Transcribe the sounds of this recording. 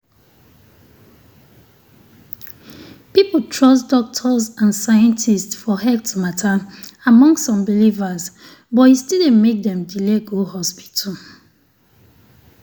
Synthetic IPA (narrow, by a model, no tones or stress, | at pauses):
piptʰɹɔsdɔk̚tʰɔzãnsajɛ̃ntʰistsfɔhɛtʰmatʰaamɔ̃ŋstsɔ̃mbilivaz | bɔthistidẽmek̚dɛ̃mdileɡohɔspi̥tʰə